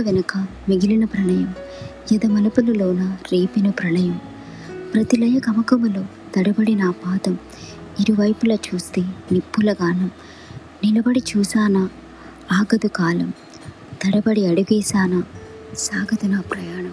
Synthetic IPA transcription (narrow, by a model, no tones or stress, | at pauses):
ɐʋenɐkɐmiɡilinɐpɾɐɳɐjɐmjɐd̪ɐmɐlɐpulɐloːnɐɾiːpinɐpɾɐɳɐjɐm | pɾɐt̪ilɐjɐkɐmɐkɐmulo̞ː | t̪ɐɽɐbɐɽinɐːpaːd̪ɐm | iɾiʋɐjpulɐt͡ʃuːst̪eːnipːulɐɡaːnɐm | nilɐbɐɽit͡ʃuːsaːnɐ | aːɡɐd̪ukaːlɐm | t̪ɐɽɐbɐɽiɐɽuɡiːsaːnɐ | saːɡʱɐd̪ɐnɐpɾɐjaːɳɐm